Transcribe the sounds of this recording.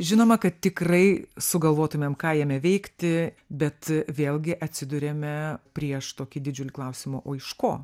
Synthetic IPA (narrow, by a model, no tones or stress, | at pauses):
ʒʲɪnoːmɐkɐt̪t̪ʲɪkrɐɪsʊɡɐlˠʋoːt̪ʊmʲɛmkɑːjɛmʲɛʋʲɛɪkt̪ʲɪ | bʲɛt̪ʋʲeːlʲˠɡʲɪʔɐt̪ʲsʲɪd̪ʊɾʲeːmʲɛpʲɾʲiɛʃt̪oːkʲɪd̪ʲɪd͡ʒʲʊlʲɪklˠɐʊsʲɪmoːʔoːɪʃkoː